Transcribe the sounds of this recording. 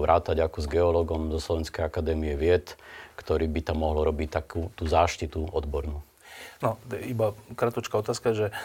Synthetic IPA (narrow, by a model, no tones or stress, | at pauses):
ʋɾʔaːt̪aɟakɔzɡɛɔlɔɡɔmzɔslɔʋɛnskɛjakad̪ɛːmiɛʋɪɛt̪kt̪ɔɾiːbit̪amːɔɦlɾɔbict̪akuːt̪uːzaːʃcit̪uɔd̪bɔɾnuː | nɔibakɾat̪ɔt͡ʃkaɔt̪aːskaʒɛ